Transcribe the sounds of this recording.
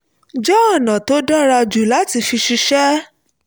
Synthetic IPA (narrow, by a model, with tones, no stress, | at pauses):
d͡ʒɔ˦ɔ˦˨nã˨to˨˦dɔ˦ɾa˧d͡ʒu˨la˦ti˧fi˧ʃi˧ʃɛ˦